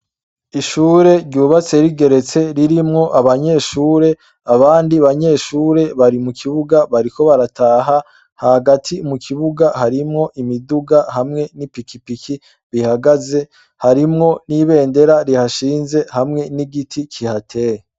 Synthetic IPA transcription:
iʃuːɾe̞ɾɟuːβat͡se̞ɾiɡe̞ɾe̞t͡se̞ɾiɾimŋo̞ʔaβaɲe̞ːʃuːɾe̞ | aβaːndiaβaɲe̞ːʃuːɾe̞βaɾimukʰiβuɡaβaɾiko̞βaɾatʰaːɦa | hahaɡatʰimukʰiβuɡahaɾimŋo̞ʔimiduɡahamŋe̞nipikipikʰi | βihaɡaze̞ | haɾimŋo̞niβe̞ːnde̞ɾaɾihaʃiːnze̞hamŋe̞niɡitʰikʰihatʰe̞ːje

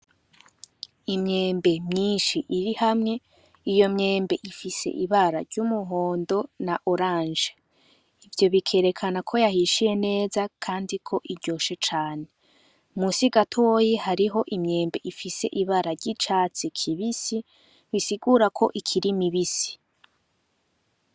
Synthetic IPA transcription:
imɲe̞ːmbe̞mɲiːnʃiʔiɾihamŋe̞ | ijo̞mɲe̞ːmbe̞ʔifise̞̰ʔiβaɾaɾɟumuɦoːndo̞naʔoɾãːnʒe | ivjo̞βikʰe̞ːɾe̞kʰanakʰo̞jahiʃije̞ne̞ːzakʰaːndikʰo̞ʔiɾɟo̞ːʃe̞t͡ʃaːne̞ | musiɡatʰojehaɾiɦo̞ʔimɲe̞ːmbe̞ʔifise̞̰ʔiβaɾaɾɟit͡ʃaːt͡sikʰiβisi | βisiɡuːɾakʰo̞ʔikʰiɾimiβisi̥

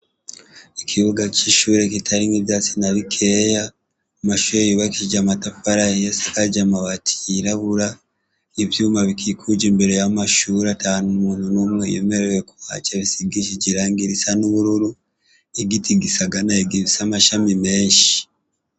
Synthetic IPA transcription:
ikʰiβuɡaciʃuːɾekitʰaɾiŋiβjasinaβikʰe̞ja | amaʃuɾejuβakiɟamatafaɾaijesakaɟamaβatʰi̥ɾaβuɾa | iβjuːmaβikʰikʰud͡ʒembeɾejamaʃuːɾatanmuːnunumwejḛme̞ɾewekuβa̰t͡ʃeβisiɡiʃiɟiɾaːŋɡiɾisanuβuɾuɾu | eɡitiɡisaɡanaeɡiβisamaʃamime̞ːɲʃi̥

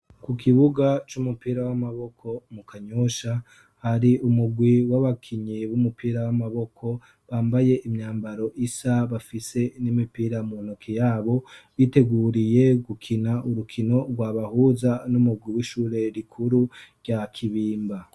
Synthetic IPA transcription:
kukʰiβuɡat͡ʃumupiːɾawamaβo̞kʰo̞mukʰaɲoʃa | haɾiʔumuɡwiwaβakʰiɲiβumupiːɾawamaβo̞kʰo̞ | βaːmbaje̞ʔimɲaːmbaɾo̞ʔisaβafise̞nimipiːɾamun̥okʰijaːβo̞βite̞ɡuːɾije̞ɡukʰinaʔuɾukʰino̞ɾɡwaβahuzanumuɡwiwiʃuːɾe̞ɾikʰuɾuɾɟakʰiβiːmba

